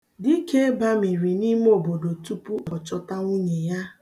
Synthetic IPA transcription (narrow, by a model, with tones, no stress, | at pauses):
di˦kʰe˦ba˦mi˨ɾi˨ni˦m˦o˨bo˨do˨tu˦pu˦ɔ˨t͡ʃɔ˦ta˦ŋʷu˦ɲe˨ja˦